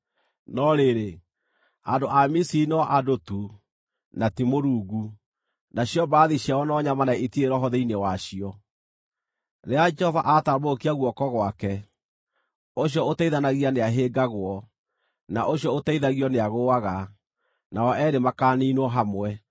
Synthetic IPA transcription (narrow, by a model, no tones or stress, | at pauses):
nɔɾeɾe | andoʔamisinɔʔadotu | natimoɾuːɡu | naɕiɔbaːðiɕiawɔnɔɲamanaitieɾɔɦɔðeinewaɕiɔ | ɾead͡ʒɛhɔvaʔatabokiaɣwɔkɔɣwakɛ | oɕjɔotaiðanaɣianeaɦeːɡaɣwɔ | naʔoɕjɔotaiðaɣiɔneaɣoaɣa | naɔɛɾemakaːniːnwɔɦamwɛ